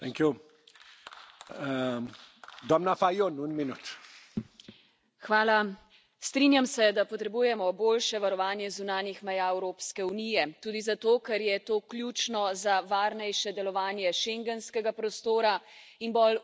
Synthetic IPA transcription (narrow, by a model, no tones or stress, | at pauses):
t̪ɛŋkju | d̪ɔmnafajonunminut̪ | xʋaːla | st̪ɾinjamsɛd̪apɔt̪ɾɛbujɛmɔboːlʃɛʋaɾɔʋaːnjɛzunaːnjixmɛjaɛwɾoːpskɛunijɛt̪uːd̪izat̪oːkɛɾjɛt̪oːklʲjuːt͡ʃnɔzaʋaːɾnɛjʃɛd̪ɛlɔʋaːnjɛʃɛŋɡɛnskɛɡapɾɔst̪oːɾainbɔl